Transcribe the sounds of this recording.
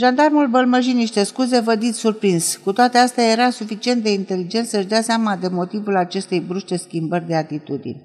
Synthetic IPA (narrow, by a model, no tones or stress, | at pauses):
ʒand̪armulbəlməʒiniʃt̪e̞skuze̞vəd̪it̪ʲsurpɾinz̥kut̪oat̪east̪eaje̞ɾasufit͡ʃie̞nt̪̚d̪e̞int̪e̞lid͡ʒe̞nt̪səɨʒd̪easeamad̪e̞mo̞t̪ivulat͡ʃe̞st̪e̞jbɾuʃt̪e̞skʲimbərʲd̪e̞at̪it̪ud̪ḭnʲ